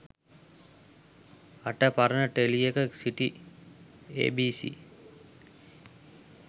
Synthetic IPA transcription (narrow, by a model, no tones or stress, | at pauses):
ɐʈəpɐɾənəʈelijekəsiʈi | ḛːbiːsḭ